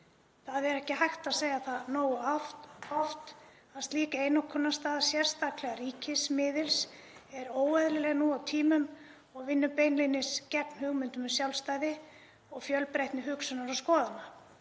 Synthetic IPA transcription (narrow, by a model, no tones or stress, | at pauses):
θaðɛɾɛhcɪɦajxt̪aðseːjaθaðnoːwʏ | ɔft̪ | aðst̪liːkaeːjnokʰɔnːast̪aːðasjɛɾ̥st̪aklɛɣaɾiːcɪsmɪːðɪls | ɛɾoːwaðlɪlɛːɣanuawt̪ʰiːmʏm | ɔɣvɪnːʏpeːjnlinːɪscɛpn̥hʏɣmʏnt̪ʏmʏsjawlst̪aːjðɪ | ɔɣfjœlpɾejht̪nɪɦʏksʏnaɾawskɔːðana